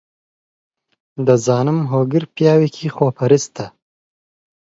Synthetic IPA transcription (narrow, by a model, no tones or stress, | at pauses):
d̪əzɑːnəmɦoːɡɪɾpjɑːwikʰixopʰɐɾɪst̪a